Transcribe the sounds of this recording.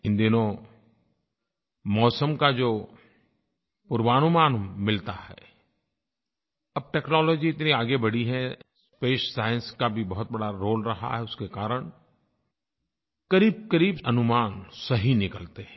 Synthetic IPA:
ɪ̃nd̪inõ | mɔːsəmkad͡ʒoː | pʊɾʋaːnʊmaːnmɪlt̪aɦɛ̰ː | ɐb̚ʈeːknɔːlɔːd͡ʒiɪt̪niaːɡebɐɽiɦɛ̃ | speːʃsaːɪə̃nskabʱibɐɦʊt̪̚bɐɽaɾoːlɾɐɦa̰ɦɛʊskekaːɾəɽ̃ | kɐɾiːb̚kəɾiːbɐnʊmaːnsɐɦinɪkəlt̪eɦɛ̃

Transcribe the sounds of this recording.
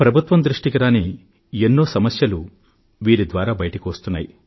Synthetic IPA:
pɾɐbʱut̪ʋɐmd̪ɾuʂʈikiɾaːni | enːo̞ːsɐmɐsjɐlu | ʋiːɾid̪ʋaːɾaːbɐjʈɐkiʋɐst̪unːa̰ːji

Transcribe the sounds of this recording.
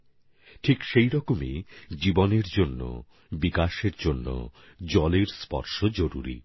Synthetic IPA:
ʈʰikʃejɾɔkomed͡ʑiboneɾd͡ʑonːo̰ | bikaʃeɾd͡ʑonːo̰d͡ʑɔleɾspɔ̰ɾʃod͡ʑoɾṵɾḭ

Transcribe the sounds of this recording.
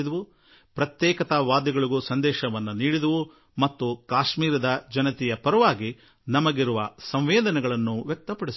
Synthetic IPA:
d̪ɐʋu | pɾɐt̪jɛːkɐt̪ɐʋaːd̪ɐɡɐɭiɡusɐnd̪ɛːʃɐʋɐnːuniːɽid̪ɐʋu | mɐt̪ːukaːʃmiːɾɐd̪ɐd͡ʒɐnɐt̪ɛjɐpɐɾɐʋaːɡi | nɐmɐɡiɾuʋɐsɐmʋeːd̪ɐnɛɡɐɭɐnːuʋjɛk̚t̪ɐpɐɽis

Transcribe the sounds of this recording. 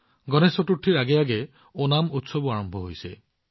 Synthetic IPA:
ɡɔnesɔtuʈʰːiɹaɡɛjaɡɛ | onamut̪sɔbɔaɹɔmbʱɔɦojse

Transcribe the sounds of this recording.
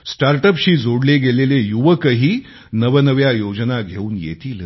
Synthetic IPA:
sʈaɾʈəpɕiːd͡zʱoɽleɡelelejuʋəkəɦiː | nəʋənəʋjajod͡ʑnaɡʱeuːnjḛt̪iːl

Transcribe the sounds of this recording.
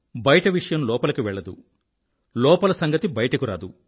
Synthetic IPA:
bɐjɐʈɐʋiʂɐjɐmlɔːpɐlɐkuʋɛɭːɐd̪ṵ | lɔːpɐlɐsɐŋɡɐt̪ibɐjɐʈɐkuɾa̰ːd̪u

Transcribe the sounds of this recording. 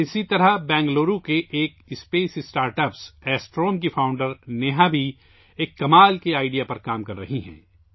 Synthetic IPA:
ɪsit̪ɐɾabɛ̃ːŋɡloːɾukeʔːkɪspeːsɪsʈaːɾʈɐpsɛːsʈɾoːmkifʰaːʊ̃ɳɖəɾneɦabʱi | eːkːɐmaːlkiaːɪɖijapɐɾkaːmkɐɾːɐɦiɦɛ̰̃ː

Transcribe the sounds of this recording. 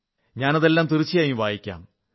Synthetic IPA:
ɲaːnɐðe̞lːaːmt̪irit͡ɕːijaːjiʋaːjikʲːa̰ːm

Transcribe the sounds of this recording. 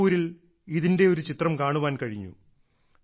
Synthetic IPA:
uːɾil | iðinde̞o̞ɾut͡ɕit̪rɐmkaːɳuʋaːnkɐɻiɲːṵ

